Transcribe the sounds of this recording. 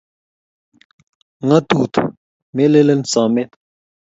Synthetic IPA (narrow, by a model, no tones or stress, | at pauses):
ŋɐt̪uːt̪ | melelensaːmet̪